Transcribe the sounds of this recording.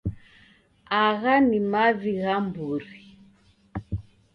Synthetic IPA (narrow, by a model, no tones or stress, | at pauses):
aɣanimaβiɣambuɾi